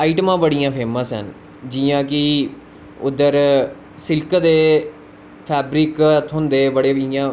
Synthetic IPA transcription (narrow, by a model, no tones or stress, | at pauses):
aːiʈəmãːbəɽijãːpʰeːmãːsɦə̰n | d͡ʒiãːkɪ | ʊd̪əɾ | sɪlkd̪eː | pʰɛːbɾɪkt̪ʰʊnd̪eːbəɽeːijãː